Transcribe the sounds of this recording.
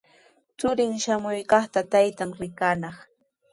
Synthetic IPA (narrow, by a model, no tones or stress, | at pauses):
t͡sʊɾɪŋʃamʊjkɑχt̪at̪ajt̪amɾɪkanɑχ